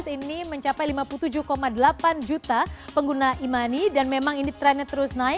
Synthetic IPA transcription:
siniməɲt͡ʃapajlimapulut̪ud͡ʒuhkomadəlapand͡ʒut̪apəŋɡunaimanidanmemaŋinit̪ɾɛnət̪əɾʊsnaɪ

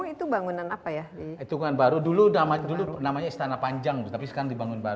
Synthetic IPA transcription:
it̪ubaŋunanapajadiit̪ukuŋanbaɾuduluamadulunamaɲaist̪anapaɲd͡ʒaŋd̪ut̪apisə̥kaɾaŋdibaŋʊnbaɾu

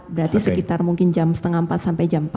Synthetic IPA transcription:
bəɾat̪isəkit̪armuŋkɪnd͡ʒamsə̥t̪əŋampat̪̚sampajd͡ʒamt̪a

